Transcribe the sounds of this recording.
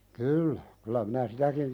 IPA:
kyːlːæ kylæ minæ sitækin

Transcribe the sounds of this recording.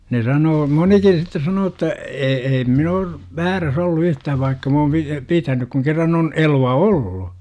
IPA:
ne sɑnoː monikin̞ sitːe sɑnoː tːɑ e eim min oːr ʋæːræs olːu yhtæːʋ ʋɑikːɑ m oːm pi pitænyk kuŋ kerːɑn on eluɑ olːu

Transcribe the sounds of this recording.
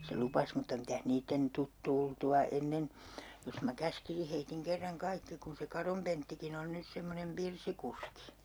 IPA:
se lupɑs mutːɑ mitæh niːtːen tut tultuɑ enːen jos mæ kæskisi heitiŋ kerːɑŋ kɑikːi kun se kɑrom pentːikin on nys semːonem pirsikuski

